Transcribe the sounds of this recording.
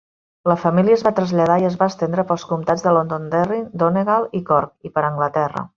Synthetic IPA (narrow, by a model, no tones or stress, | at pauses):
ləfəmiliəzβat̪ɾəzʎəðaiəzβaəst̪end̪ɾəpəlˠskumt̪ad͡zðəlond̪ond̪ɛrind̪oneɣalˠikɔɾkipəɾəŋɡlət̪ɛrə̰